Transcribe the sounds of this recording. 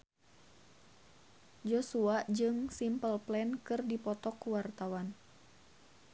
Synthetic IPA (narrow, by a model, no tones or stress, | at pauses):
d͡ʒɔsuaʔd͡ʒɨŋsimpəlplɛnkɨrdipɔt̪ɔkːuwart̪awan